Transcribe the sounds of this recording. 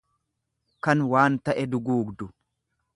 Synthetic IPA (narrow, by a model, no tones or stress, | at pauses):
kɐnwaːnt̪ɐʔɛd̪ʊɡuːɡd̪ʊ